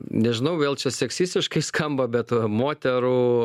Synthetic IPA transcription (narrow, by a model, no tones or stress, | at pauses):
nʲɛʒʲɪnɐʊʋʲeːlˠt͡ʃʲɛsʲɛksʲiːsʲt̪ʲɪʃkɐɪskʰɐmbɐbʲɛt̪moːt̪ʲɛɾuː